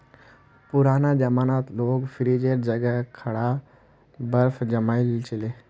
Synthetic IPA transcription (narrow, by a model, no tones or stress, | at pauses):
puɾanad͡ʑəmanat̪loɡfɾid͡ʑeɾd͡ʑəɡɛkʰɐɽa | bəɾfd͡ʑəmailt͡ɕele